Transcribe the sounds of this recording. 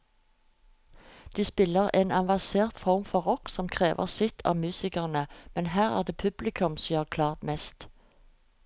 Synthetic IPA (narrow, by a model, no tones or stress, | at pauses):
d̪̥iːspɪləʁeːnɑnʋɑseːʁt̪fɔʁmfɔʁɔksɔmkʰʁeːʋʔə̰ʁsɪt̪ʰɑ̰ːʋmʉːsɪkəʁnəmɛnɦæːʁæ̰ʁd̪eːpʰʉblɪkʰʉmsiːhɑːʁkʰlɑːʁt̪mɛst̪